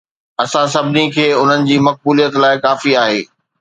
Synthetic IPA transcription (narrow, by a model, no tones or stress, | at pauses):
ɐsãs̬ɐbʱɪnikʰeːʊn̤ənɪ̆d͡ʑiːmɐk̚buːlijət̪laːɪkaːfiaːɦeː